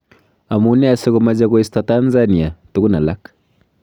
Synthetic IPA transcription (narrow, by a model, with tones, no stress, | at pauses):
a˨mu˦nɛ˦a˨sɪ˦ɡu˨ma˦d͡ʒaɡo˦i˦stɔ˦ta˦nza˦ni˨a˨tu˨ɡu˦na˨la˦k